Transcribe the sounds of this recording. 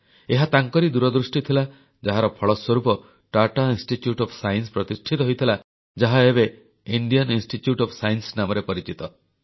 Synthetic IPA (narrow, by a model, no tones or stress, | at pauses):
eɦat̪aŋkɔɾid̪uɾɔd̪ɾusʈit̪ʰila | d͡ʒaɦaɾɔpʰɔɭɔswɔɾupɔ | ʈaʈainsʈitjuʈɔpʰsajnspɾɔt̪isʈʰit̪ɔɦojt̪ʰila | d͡ʒaɦaebe | iɳɖijɔninsʈiʈjuʈɔpʰsajnsnamɔɾepɔɾit͡ʃit̪ɔ